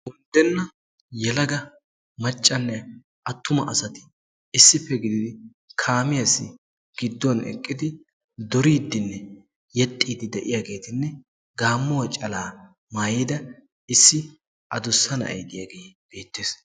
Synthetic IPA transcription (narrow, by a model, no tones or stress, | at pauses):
ʊnd̪ɛnːɐ | jɛlɐɡɐ | mɐt͡ʃʼːɐnːɛ | ʔɐt̪ːʊmɐʔɐsɐt̪ɪ̥ | ɪsːɪpːɛɡɪd̪ɪd̪ɪ | kʰaːmɪjɐsːɪ | ɡ̥ɪd̪ːɔwnɛ̰kʼːɪd̪ɪ | d̪ɔɾiːd̪ːɪnːɛ | jɛt̪ʼːiːd̪ɪd̪ɛʔɪjaːɡe̞ːt̪ɪnːɛ | ɡaːmːɔwɐt͡ʃʼɐlaː | maːjiːd̪ɐ | ɪsːɪ | ʔɐd̪ʊsːɐnɐ̰ɐ̰jd̪ɪjaːɡeːb̥e̞ːt̪ːeːs